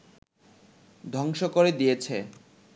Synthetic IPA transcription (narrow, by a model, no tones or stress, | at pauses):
d̪ʱɔŋʃokoɾed̪ijet͡ɕʰe